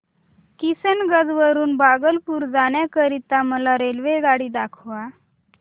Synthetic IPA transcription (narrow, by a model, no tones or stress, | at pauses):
kisənɡəd͡zʋəɾuːnbaɡəlpuːɾd͡zaɳ̃jakəɾit̪aməlaɾelʋeɡaɽiːd̪akʰʋa